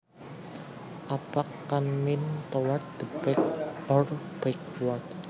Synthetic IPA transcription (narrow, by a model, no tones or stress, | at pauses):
ʔapakːanmɪnt̪ɔward̪̥əpɛk̚ɔrb̥ajk̚wɔrt̚